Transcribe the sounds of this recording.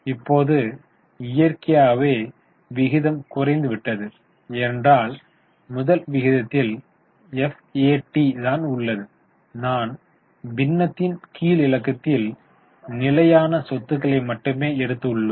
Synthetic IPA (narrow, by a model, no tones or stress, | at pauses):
ɪpːoːðɯ | ɪjɐɾkɪjaːʋeː | ʋɪɣɪðɐmkʊrɐɪnd̪ɯʋɪʈːɐðɯ | ɛndraːl | mʊðɐlʋɪɣɪðɐt̪ːɪl | ɛf | eːʈːit̪aːnʊɭːɐðɯ | naːn | bɪnːɐt̪ːɪnkiːlɪlɐkːɐt̪ːɪl | nɪlɐjaːnɐsɔt̪ːɯɣɐɭɐɪmɐʈːɯmeːɛɽɯt̪ːɯɭːɯm